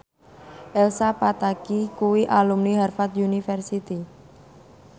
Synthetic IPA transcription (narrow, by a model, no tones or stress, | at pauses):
ʔɛlsapat̪akikuwiʔalumniɦarfat̪junifɛrsit̪i